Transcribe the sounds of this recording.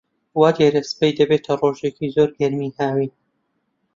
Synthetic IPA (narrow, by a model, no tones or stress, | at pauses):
waːd̪jɛɾespejd̪ɐbet̪ʰɐroʒecizoɾɡɐɾmihaːwin